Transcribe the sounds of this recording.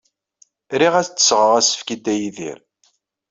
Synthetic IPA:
ɾiʁæθt͡sːə̥sʁəʁæsə̥fkid̪æjiðḭɾ

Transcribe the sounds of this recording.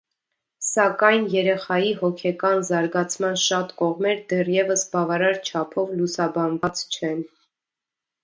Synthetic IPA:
sɑkɑjnjɛɾɛχɑjihɔkʰɛkɑnzɑɾɡɑt͡sʰmɑnʃɑt̪kɔʁmɛɾd̪ɛrjɛvəsbɑvɑɾɑɾt͡ʃʰɑpʰɔvlusɑbɑnvɑt͡st͡ʃʰɛn

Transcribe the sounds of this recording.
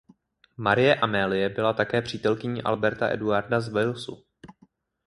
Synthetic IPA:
maɾɪjɛʔamɛːlɪjɛbɪlat̪akɛːpr̝̥iːt̪ɛlkɪɲiːʔa̰lbɛɾt̪a̰ʔɛ̰duaɾdazvɛjlsṵ

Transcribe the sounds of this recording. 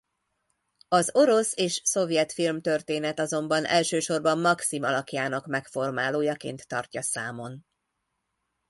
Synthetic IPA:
ɒzo̞ɾo̞seːʃso̞vjɛt̪filmt̪ørt̪eːnɛt̪ɒzo̞mbɒnʔɛlʃøːʃo̞rbɒmːɒksimɒlɒkjaːnɒkmɛkfo̞rmaːloːjɒkḛːnt̪ːɒ̰rcɒsaːmo̞n

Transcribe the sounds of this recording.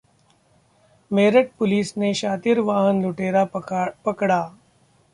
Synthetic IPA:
meːɾəʈ̚pʊliːsneʃaːt̪ɪɾʋaːɦənlʊʈeːɾapəkɽaː

